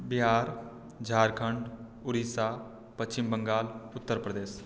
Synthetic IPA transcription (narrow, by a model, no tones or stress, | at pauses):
bɪɦaːɾ | d͡ʒʱaːɾkʰəɳɖ | ʊɾiːsaː | pət͡ʃɪmbəŋɡaːlʊt̪ːəɾpɾəd̪eːs